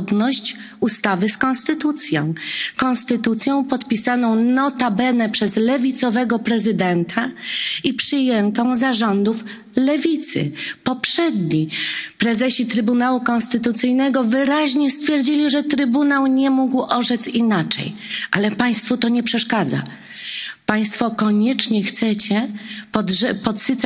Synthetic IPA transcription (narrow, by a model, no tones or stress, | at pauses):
d̪nɔɕt͡ɕ | ust̪avɘskɔnst̪ɘt̪ut̪sʲjɔ̰̃w̃kɔ̃nst̪ɘt̪ut̪sʲjɔ̃w̃pɔt̪pʲisanɔ̃w̃nɔt̪abɛnɛpʂɛzlɛvʲit̪sɔvɛɡɔpɾɛzɘd̪ɛnt̪ʰaipʂɘjɛnt̪ɔ̃w̃zaʐɔnd̪uf | lɛvʲit̪sɘ̰pɔpʂɛd̪ɲipɾɛzɛɕit̪ɾɘbunawukɔ̃nst̪ɘt̪ut̪sɘjnɛɡɔvɘɾaʑɲɛst̪fʲjɛɾd͡ʑilʲiʐɛt̪ɾɘbunawɲɛmuɡwʔɔʐɛt̪sinat͡ʂɛ̰jʔalɛpaj̃st̪fut̪ɔɲɛpʂɛʂkad̪za̰ | paj̃st̪fɔkɔɲɛt͡ʂɲɛxt̪sɛt͡ɕɛpɔd̪ɛpɔt̪sɨt̪s